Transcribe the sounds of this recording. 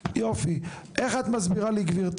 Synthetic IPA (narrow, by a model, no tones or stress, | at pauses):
jofi | eχat̪mazbiʁaliɡviʁt̪